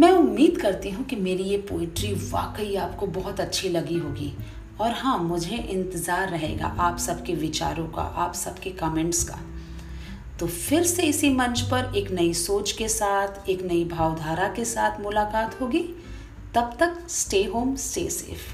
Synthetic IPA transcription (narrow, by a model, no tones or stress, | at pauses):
mɛ̃ːʊmːiːd̪kɐɾt̪iɦũkimeːɾijepoːɪʈɾiʋa̰ːkəiaːpkobɔɦʊt̪ɐtːʃʰilɐɡiɦoːɡiː | ɔːɾɦãmʊd͡ʒʱeʔɪ̃nt̪ɪzaːɾːɐɦḛːɡa̰ʔaːpsɐbkeʋɪt͡ʃa̰ːɾõka̰ʔaːpsɐbkekɐmẽːɳʈska̰ | t̪oːfɪɾseɪsimɐ̃nt͡ʃpɐɾeːknɐisoːt͡ʃkesaːt̪ʰeːknɐibʱaːʋd̪ʱaːɾakesaːt̪ʰmʊlaːkaːt̪ɦoːɡiː | t̪ɐb̚t̪ɐksʈeːɦoːmsḛːsḛːf